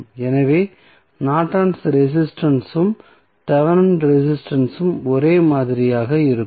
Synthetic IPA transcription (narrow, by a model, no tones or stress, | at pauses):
ɛnɐʋeː | naːʈɾaːɳsɾɛs̬ɪsʈɐnsɯm | t̪ɐʋɐɾɐɳɖɾɛs̬ɪsʈɐnsɯmɔɾeːmaːðɪɾɪjaːɣɐɪɾɯ